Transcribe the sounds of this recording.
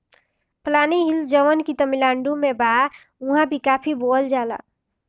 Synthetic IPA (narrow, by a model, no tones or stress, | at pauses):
planiɦild͡ʒəʋənkit̪əmilaɳɖumeba | uɦãbʱikapʰibold͡ʒala̰